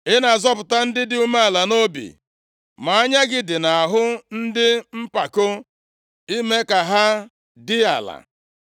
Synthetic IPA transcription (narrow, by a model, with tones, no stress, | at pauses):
ɪ˦na˨zɔ˦pʊ˨ta˦n̩˦dɪ˦dɪ˦u˦me˦a˨la˨no˦bḭ˨ | ma˨a˦ɲa˦ɡɪ˦dɪ˨na˨ɦʊ˦n̩˦dɪ˦m̩˦pa˨ko˦ | i˦me˦ka˨ɦa˦ | dɪ˦a̰˨la̰˨